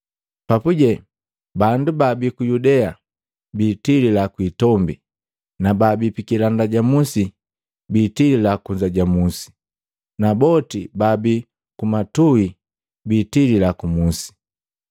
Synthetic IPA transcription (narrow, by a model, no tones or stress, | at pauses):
papuɟɛ | bandubabikujudɛa | biːtililakwiːtɔmbi | nababipikilandaɟamusi | bitililakuɲd͡ʒaɟamusi̥ | nabɔtibabi | kumatui | biːtililakumusi̥